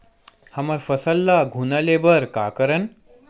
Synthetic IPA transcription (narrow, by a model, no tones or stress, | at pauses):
hɐmɐɾfɐsɐlːaɡʱunɐlebɐɾkaːkɐɾɐn